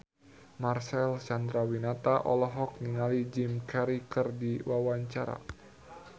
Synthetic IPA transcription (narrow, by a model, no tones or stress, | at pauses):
marsɛlsand̪ɾawinat̪aʔɔlɔɦɔk̚niŋalid͡ʒɪmkaɾikərdiwawaɲt͡ʃaɾa̰